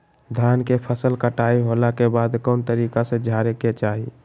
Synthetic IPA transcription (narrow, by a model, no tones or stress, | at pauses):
d̪ʱankepʰəsəlkəʈaiɦolakebaːd̪kɔːnt̪əɾiːkasẽd͡ʒʱaɾeket͡ʃaːɦi